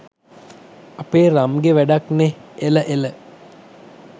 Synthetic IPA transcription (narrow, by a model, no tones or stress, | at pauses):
apeːɾamɡeʋæɖakneeləʔelə